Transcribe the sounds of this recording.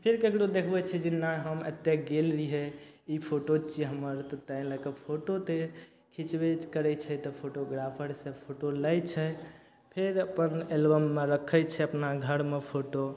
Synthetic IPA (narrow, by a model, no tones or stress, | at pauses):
pʰeɾkekɽod̪ekʰbɛt͡ʃʰɛd͡ʒenaɦəmet̪ːjeɡelːiɦeipʰoʈot͡ʃiɦəməɾt̪t̪əjləkəpʰoʈot̪e | kʰit͡ʃbed͡ʒkəɾɛt͡ʃʰɛt̪ɔpʰoʈoɡɾapʰəɾsẽpʰoʈoləjt͡ʃʰɛ | pʰeɾəpənelbəmːeɾəkʰət͡ʃʰɛəpnaɡʱəɾmepʰoʈo